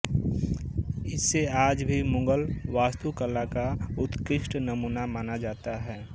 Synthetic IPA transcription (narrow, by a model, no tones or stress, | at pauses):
ɪsːeaːd͡ʒbʱimʊ̃ŋɡəlʋaːst̪ukəlːakaʊt̪kɪʃʈnəmuːnamaːnad͡ʒaːt̪aɦɛː